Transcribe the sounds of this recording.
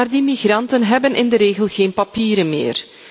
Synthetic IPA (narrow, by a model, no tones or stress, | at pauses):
aːrdimiɣrɑntənɦɛbənʔɪndəɾeːɣəlˠɣeːnpapiːɾənmḛːr